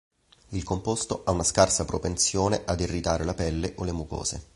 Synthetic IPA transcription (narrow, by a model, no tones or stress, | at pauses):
ilkompost̪oʔaunaskarsapɾopensjoːneʔad̪irːit̪aːɾelapɛlːeʔolemuko̰ːzḛ